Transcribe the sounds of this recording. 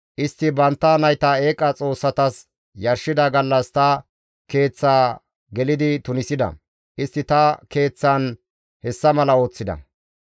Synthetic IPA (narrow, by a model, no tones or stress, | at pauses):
ʔɪst̪ːɪbɐnt̪ːɐnɐjt̪ɐe̞ːkʼɐt͡sʼo̞ːsːɐt̪ɐs | jɐɾʃɪd̪ɐɡɐlːɐst̪ɐ | ke̞ːt͡sːaː | ɡɛlɪd̪ɪt̪ʊnɪsɪd̪ɐ̰ | ʔɪst̪ːɪt̪ɐke̞ːt͡sːɐn | hɛsːɐmɐlɐo̞ːt͡sːɪd̪ɐ̰